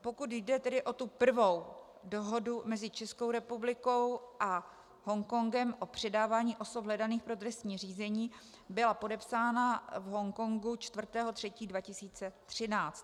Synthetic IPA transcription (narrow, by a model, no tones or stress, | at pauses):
po̞kut̪jdɛt̪ɛdɪʔo̞t̪upr̩vo̞w | doɦo̞dumɛzɪt͡ʃɛsko̞wɾɛpublɪko̞wʔa | ɦo̞ŋko̞ŋɡɛmʔo̞pr̝̥ɛdaːvaːɲiːʔo̞so̞pɦlɛdaniːxpɾo̞t̪ɾɛst̪ɲiːriːzɛɲiː | bɪlapo̞dɛpsaːnavɦo̞ŋko̞ŋɡut͡ʃt̪vr̩t̪ɛːɦo̞t̪r̝̥ɛciːdvacɪsiːt͡sɛt̪r̝̥ɪnaːt͡st̪̚